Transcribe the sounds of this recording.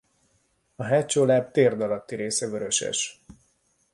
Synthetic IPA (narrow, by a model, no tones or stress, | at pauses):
ɒɦɛːt͡ʃoːlaːb̚t̪eːrd̪ɒlɒt̪ːiɾeːsɛvøɾø̞ʃɛ̰ʃ